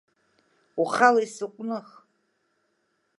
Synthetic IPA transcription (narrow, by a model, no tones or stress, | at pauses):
uχalaisɨqʷʼnɨχ